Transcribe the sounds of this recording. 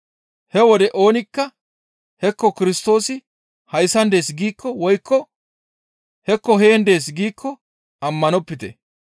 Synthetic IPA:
hɛwɔd̪ɛʔo̞ːnɪkːɐ | hɛkːɔkɪɾɪst̪o̞ːsɪ | hɐjsːɐnd̪e̞ːs̬ɡiːkʰːɔwɔjkʰːɔ | hɛkːɔɦeːnd̪e̞ːs̬ɡiːkːɔ | ɐmːɐnɔpːɪt̪ɛ

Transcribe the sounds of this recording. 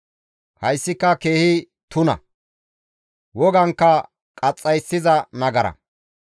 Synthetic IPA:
hɐjsːɪkːɐke̞ːhɪ | t̪ʊnɐ̰ | wɔɡɐŋkːɐ | kʼɐt͡sʼːɐjsːɪzɐnɐɡɐɾɐ̰

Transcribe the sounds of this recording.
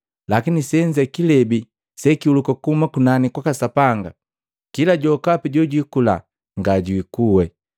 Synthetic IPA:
lakinisɛɲd͡ʒɛkilɛbi | sɛkiulukakuumakunanikwakasapaŋɡa̰ | kilaɟɔkapiɟɔɟikula̰ | ŋɡaɟwikuwɛ

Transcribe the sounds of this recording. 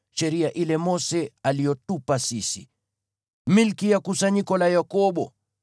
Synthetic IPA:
ʃɛɾiaʔilɛmɔsɛalijɔtupasisi | milkijakusaɲikɔlajakɔɓɔ

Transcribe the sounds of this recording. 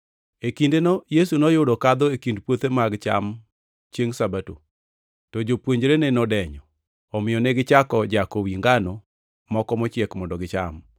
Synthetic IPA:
ekindenɔjesunɔjʊdɔkad̪ɔekindpwot̪emaɡt͡ʃa̰m | t͡ʃjeŋsabato̰ | tɔd͡ʒopwoɲd͡ʒɾenɛnɔdɛɲɔː | mɪjɔnɛɡɪt͡ʃakɔd͡ʒakowiŋɡano | mɔkɔmɔt͡ʃjekmɔndɔɡɪt͡ʃa̰m

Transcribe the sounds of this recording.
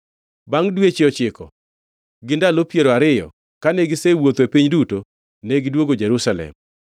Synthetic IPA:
baŋdwet͡ʃɪɔt͡ʃɪkɔ̰ | ɡɪndalopjeɾoaɾɪjɔ̰ | kaneɡɪsewot̪epiɲduto | neɡɪdwoɡod͡ʒɛɾusalɛ̰m

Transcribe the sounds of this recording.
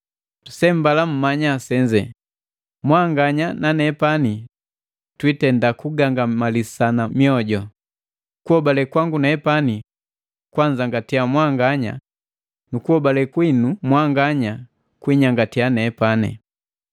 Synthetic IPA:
usɛmbalam̩maɲasɛɲd͡ʒɛ | mwaŋɡaɲananɛpani | twitɛndakuɡaŋɡamalisanamiɔɟɔ | kuhɔbalɛkwaŋɡunaɛpani | kwaɲd͡ʒaŋɡatiamwaŋɡaɲa̰ | nukuhɔbalɛkwinumwaŋɡaɲa | kwiɲaŋɡatianɛpanɛ̰

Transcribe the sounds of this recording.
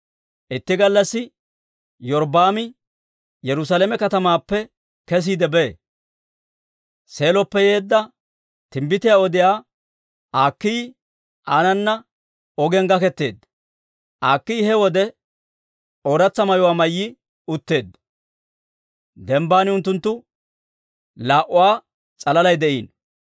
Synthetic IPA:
ʔɪt̪ːɪɡɐlːɐsːɪ | jɔɾbaːmɪ | jɛɾʊs̬aːlɛmɛkɐt̪ɐmaːpːɛ | kɛs̬iːd̪ɛbe | se̞ːlɔpːɛjeːd̪ːɐ | t̪ɪmbɪt̪ɪjaːɔd̪ɪjaː | aːkːɪj | ʔaːnɐnːɐ | ɔɡɛŋɡɐkɛt̪ːe̞ːd̪ː | ʔaːkːijhɛwɔd̪ɛ | oːɾɐt͡sːɐmɐjɔwaːmɐjːɪ | ʊt̪ːe̞ːd̪ːɐ | d̪ɛmbaːnɪʊnt̪ːʊnt̪ːʊ | laːʔːʊwaː | t͡sʼɐlɐlɐjd̪ɛʔiːn

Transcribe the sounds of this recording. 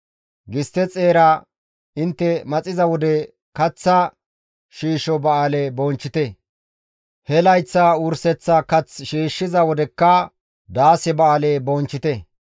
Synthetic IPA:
ɡɪst̪ɛt͡sʼe̞ːɾɐ | ɪnt̪ːɛmɐt͡sʼɪzɐwɔd̪ɛ | kɐt͡sːɐ | ʃiːʃɔbɐaːlebɔːnt͡ʃːɪt̪ɛ | hɛlɐjt͡sːɐʊɾsɛt͡sːɐkɐt͡sʃiːʃːɪzɐwɔd̪ɛkːɐ | d̪aːsɛbɐaːlebont͡ʃːɪt̪ɛ

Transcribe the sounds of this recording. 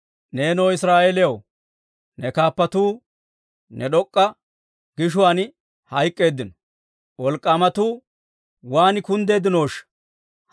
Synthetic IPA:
ne̞ːnoːɪsɾaːʔeːlɪjɐw | nɛkaːpːɐt̪uː | nɛɗɔkʼːɐ | ɡ̥ɪʃ̬ʊwaːn | hɐjkʼːe̞ːd̪ːɪnɔ | wʔɔlkʼːaːmɐt̪uː | waːnɪkʊnd̪e̞ːd̪ɪno̞ːʃɐ̥

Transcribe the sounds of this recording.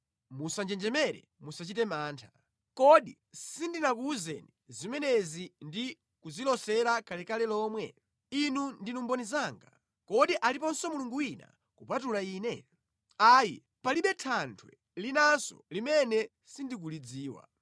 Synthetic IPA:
musand͡ʒɛnd͡ʒɛmɛɾɛ̰musat͡ʃitɛmaːntʰḁ | kɔɗi | sindinakuzɛnizimɛnɛzindi | kuzilɔsɛɾakʰalɛkalɛlɔːmwɛ̰ | inundinumbɔnizaːŋɡa | kɔɗiʔalipɔnsɔmuluŋɡuina̰ | kupatulaiːnɛ | aːji | paliɓɛtʰantʰwɛ̰ | linansɔ̰limɛnɛ | sindik̬ulid͡ziːwa̰

